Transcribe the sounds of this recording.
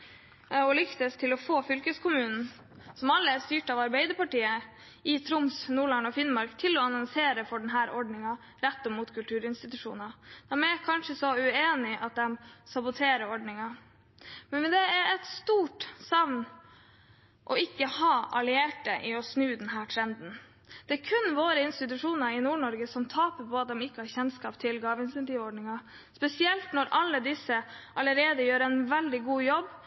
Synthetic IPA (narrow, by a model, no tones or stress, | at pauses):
ɔlʏkt̪əst̪ʰɪlɔfoːfʏlkəskʰʊmʉːnn̩ | sɔmɑlːəæst̪yːʈɑʋɑɾbɛɪd̪əɾpɑʈiːə | ɪt̪ʰɾʊmsnuːɭɑŋɔfɪnmɑɾkt̪ʰɪlɔɑnɔŋseːɾəfɔɖɛnɦæːɾʔɔɖɳɪŋɑ | ɾɛt̪ːɔmuːt̪kʰʉlt̪ʰʉːɾɪnst̪ɪt̪ʉʂṵːnɑd̪̥æmɛkʰɑnʂəsɔʉeːnɪʔɑt̪̚d̪ɛmsɑbʊt̪ʰeːɾəɔɖɳɪŋɑ | mɛnʋɛd̪ɛæɾɛt̪st̪uːʈsɑʋn | ʔɔɪkːəhɑːʔɑlɪeːʈəʔɪɔsnʉːd̪ɛnɦæːʈ̪ʰɾɛnd̪n | d̪̥ɛæːɾkʰʉnʋoːɾəɪnst̪ɪt̪̬ʉʂuːnɑɾɪnuːɳɔɾɡəsɔmt̪ʰɑːpəpʰɔɑt̪̚d̪ɛmɪkːəhɑɾçɛnskɑːpt̪ʰɪlɡɑːʋəɪnsɛnt̪iːʋɔɖɳɪŋɑ | spɛsɪɛlt̪nɔɾʔɑlːəd̪ɪsəʔɑləɾeːd̪əjøːɾɛɪnʋɛld̪ɪɡuːjɔb